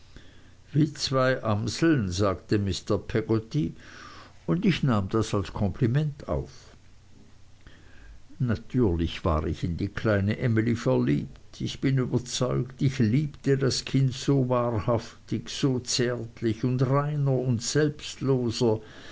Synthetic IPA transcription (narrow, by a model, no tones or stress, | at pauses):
viːt͡sv̥aɪʔamsl̩nzaːktəmɪstɐpʰɛɡ̥ɔti | ʊndɪçnaːmd̥asalskʰɔmpʰlimɛntʰa̰ʊf | natʰyːɐlɪçv̥a̰ːʁɪçɪndiːkʰlaɪnəʔɛmilifɛɐlḭːp̚tʰɪçb̥ɪnyːbɐt͡sɔʏktɪçliːptədaskʰɪntsoːvaːʁhaftɪçz̥oːt͡sɛɐtʰlɪçʊndʁaɪnɐʊntz̥ɛlpstloːzɐ